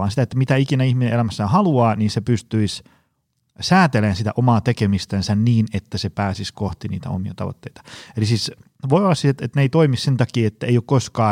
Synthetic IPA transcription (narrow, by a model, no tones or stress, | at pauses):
ɑːnsit̪æet̪ːæmit̪æikinæihminenelæmæsːæːhɑluɑːniːnsepyst̪yis | sæːt̪eleːnsit̪æ̰ʔomɑːt̪ekemist̪ensænniːnet̪ːæsepæːsiskoht̪inḭːt̪æ̰o̰miɑt̪ɑ̰ʋo̰t̪ːeit̪ɑ̥elisiːs | ʋoiolːɑssiset̪et̪neit̪oimissent̪ɑkiːet̪ːæeijokkoskɑː